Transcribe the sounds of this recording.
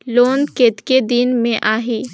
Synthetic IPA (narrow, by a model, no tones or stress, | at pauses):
loːnkeːt̪ked̪ɪnmẽʔaːɦiː